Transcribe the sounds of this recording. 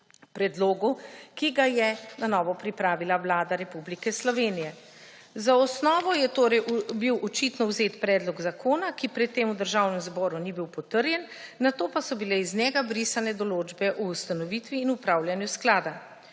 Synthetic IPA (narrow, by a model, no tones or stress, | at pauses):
pɾɛd̪loːɡukiɡajɛnanɔːʋɔpɾipɾaːʋilaʋlaːd̪aɾɛpublikɛslɔʋeːnijɛ | zaɔsnɔːʋɔjɛt̪oːɾɛjbiwɔt͡ʃit̪nɔwzeːt̪pɾɛːd̪lɔɡzakʰoːnakipɾɛt̪ːeːmud̪əɾʒawnɛmzbɔːɾunibiwpɔt̪əɾjɛnː | at̪oːpasɔbilɛiznjɛɡabɾiːsanɛd̪ɔloːd͡ʒbɛʔuːst̪anɔʋiːt̪ʋiːnupɾaːwljanjusklaːd̪a